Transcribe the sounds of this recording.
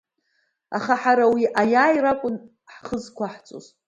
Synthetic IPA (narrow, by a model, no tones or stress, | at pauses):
a̰χaħaɾawiʔajaːjrakʷʼʊn | ħχəzkʷʰaħt͡sʷʼo̰z